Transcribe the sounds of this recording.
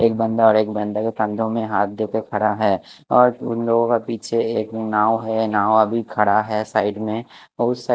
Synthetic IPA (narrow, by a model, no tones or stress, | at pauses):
eːk̚bə̃nd̪aɔːɾeːkbɐ̃nd̪aket̪ɐ̃nd̪ʱõmẽɦaːt̪̚ʰd̪ekekʰɐɽaɦɛːɔːɾʊnloːɡõkapiːt͡ʃʰeeːknaːoɦɛnaːwɐbʱikʰɐɽaɦɛsaːɪɖmẽ | ɔɾʊsːa